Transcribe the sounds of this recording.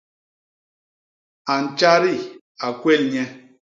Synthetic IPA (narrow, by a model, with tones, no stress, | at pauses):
a˨n̩˨t͡ʃa˦ɾi˦˨ | a˨kwe˦lɲɛ˦